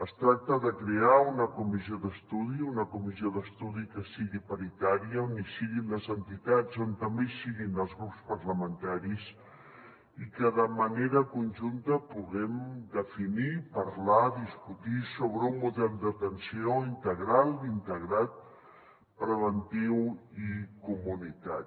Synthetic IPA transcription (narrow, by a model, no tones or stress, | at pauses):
əst̪ɾak̚t̪əðəkɾeaunəkumizioðəst̪uðiunəkumizioðəst̪uðikəsiɣipaɾit̪aɾiəonisiɣinləzənt̪it̪ad͡zont̪əmbesiɣinəlˠzɣɾupspərləmənt̪aɾis | ikəðəməneɾəkunʲʒunt̪əpuɣɛmd̪əfinipəɾlaðiskut̪isoβɾəummuðɛlˠd̪ət̪ənsioint̪əɣɾalˠint̪əɣɾat̪̚ | pɾəβənt̪iwikumunit̪aɾ